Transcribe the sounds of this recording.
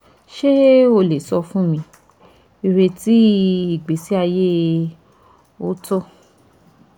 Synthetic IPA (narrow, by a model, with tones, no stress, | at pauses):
ʃe˦o˧le˨sɔ˧fũ˦mĩ˧ | i˧ɾe˧ti˦i˨ɡ͡be˨˦si˦a˧je˦ | o˦tɔ˦